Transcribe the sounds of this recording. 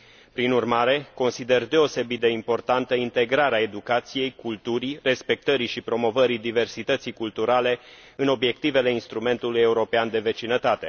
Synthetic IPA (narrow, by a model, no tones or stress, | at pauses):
pɾinurmaɾe̞ko̞nsid̪e̞rd̪e̞o̞se̞bit̪̚d̪e̞impo̞rt̪ant̪əint̪e̞ɡɾaɾeae̞d̪ukat̪sije̞jkult̪uɾire̞spe̞k̚t̪əɾiʃipɾo̞mo̞vəɾid̪ive̞rsit̪ət̪sikult̪uɾale̞ | ɨno̞bje̞kt̪ive̞le̞inst̪ɾume̞nt̪uluje̞uɾo̞peand̪e̞ve̞t͡ʃinət̪at̪e̞